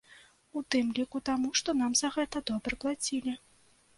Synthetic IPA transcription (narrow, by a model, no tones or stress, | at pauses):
ut̪ɨmlʲikut̪amuʂt̪ɔnamzɐɣɛt̪ɐd̪ɔbɾɨklˠat͡sʲilʲi